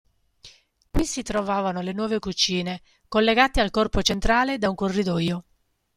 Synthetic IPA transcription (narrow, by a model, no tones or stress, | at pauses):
kwisit̪ɾovaːvanolenwɔːvekut͡ʃiːne | kolːeɡaːt̪ealkɔrpot͡ʃent̪ɾaːled̪auŋkorːid̪ɔːjo